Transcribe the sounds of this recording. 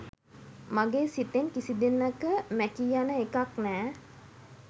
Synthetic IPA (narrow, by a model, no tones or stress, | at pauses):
maɡeːsit̪enkisid̪enːəkəmækijanəekaknɛː